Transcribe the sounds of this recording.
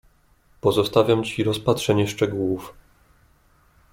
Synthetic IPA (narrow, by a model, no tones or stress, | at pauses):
pɔzɔst̪avʲjamt͡ɕiɾɔspatʂɛɲɛʂt͡ʂɛɡuwuf